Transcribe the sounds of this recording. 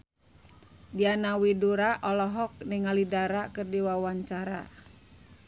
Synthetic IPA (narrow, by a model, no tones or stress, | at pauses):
dianawiduɾaʔɔlɔɦɔk̚niŋalidaɾakɨrdiwawaɲt͡ʃaɾa̰